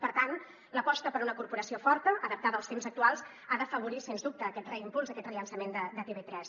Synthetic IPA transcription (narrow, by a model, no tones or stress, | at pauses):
pəɾt̪an | ləpɔst̪əpəɾunəkuɾpuɾəsiofɔɾt̪əʔəðəp̚t̪aðəlˠst̪emzək̚t̪ualˠz | aðəfəβ̞uɾisenzd̪up̚t̪əːkɛt̪rəimpulzəkɛt̪rəʎənsəmend̪əd̪ət̪eβet̪ɾɛs